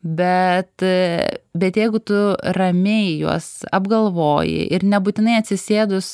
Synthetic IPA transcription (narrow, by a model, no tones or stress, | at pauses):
bʲɛt̪ | bʲɛt̪jɛɪɡʊt̪ʊrɐmʲeɪjṵɔsɐbɡɐlˠʋoːjɪ̰ʔɪɾnʲɛbuːt̪ʲɪnɐɪɐt̪ʲsʲɪsʲeːd̪ʊs